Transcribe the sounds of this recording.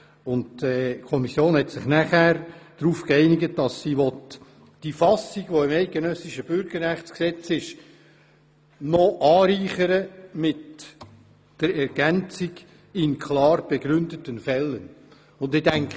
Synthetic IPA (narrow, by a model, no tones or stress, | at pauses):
ʊndɛkʰɔmisjoːnhɛtsɪχnæχæːɾd̥ɾuːfkɛɪnɪɡət̚d̥ɑsːiʋɔtː | d̥ifɑsiɡʋoɪmɛɪt̚ɡ̥enœsɪʃəb̥ʏɾɡəɾːæχt͡sksɛt͡sɪʃ | nɔʔɑːɾiːχəɾəmɪt | d̥əɾɛɾɡ̥ænt͡siɡ | ɪnkʰlɑːrb̥ɛɡ̥ɾʏndətənfɛlːən | ʊndɪd̥æŋk